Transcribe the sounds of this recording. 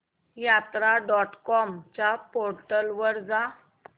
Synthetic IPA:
jat̪ɾaɖɔʈkɔmt͡ɕapoɾʈəlʋəɾd͡za

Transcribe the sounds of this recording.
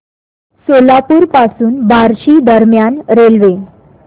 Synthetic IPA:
solapuːɾpasuːnbaɾɕiːd̪əɾmjanɾelʋe

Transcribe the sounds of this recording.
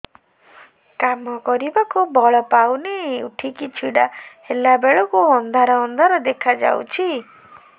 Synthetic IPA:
kamɔkɔɾibakubɔɭɔpawneṵʈʰikit͡ʃʰiɽahelabeɭɔkuɦɔnd̪aɾɔɦɔnd̪aɾɔd̪ekʰad͡ʒa̰wt͡ʃʰi

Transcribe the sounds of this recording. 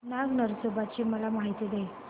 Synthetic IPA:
naɡnəɾsobat͡ɕiːməlamaɦit̪id̪ej

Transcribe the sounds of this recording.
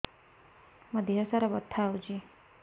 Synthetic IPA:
məd̪ʱjasaɾabət̪ʰːawd͡ʒi

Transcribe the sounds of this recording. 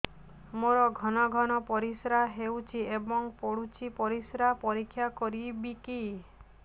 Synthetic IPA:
moɾɔɡʱɔnɔɡʱɔnɔpɔɾisɾaɦewt͡ʃʰiebɔŋpoɽut͡ʃʰipɔɾisɾapɔɾikʰːjakɔɾibiki

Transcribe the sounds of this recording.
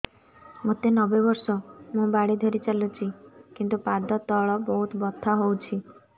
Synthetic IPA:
mot̪enɔbebɔɾsɔmũbaɽid̪ʱɔɾit͡ʃalut͡ʃʰikint̪upad̪ɔt̪ɔɭɔbɔɦut̪bɔt̪ʰːaɦowt͡ʃʰi

